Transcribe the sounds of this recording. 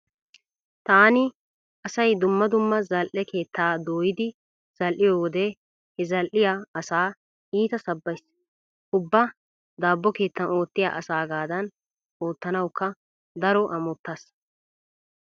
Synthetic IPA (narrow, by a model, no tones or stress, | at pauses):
t̪aːnɪ | ɐsɐjd̪ʊmːɐd̪ʊmːɐzɐlʔɛke̞ːt̪ːaːd̪o̞ːjɪd̪ɪ | z̥ɐlʔɪjoːwɔd̪ɛ | hɛzɐlʔɪjaɐsaː | iːt̪ɐsɐbːɐjs | ʔʊbːɐ | d̪aːbːɔke̞ːt̪ːɐno̞ːt̪ːɪja̰ːʔɐsaːɡaːd̪ɐn | o̞ːt̪ːɐnɐwkːɐ | d̪ɐɾɔʔɐmʊt̪ːɐs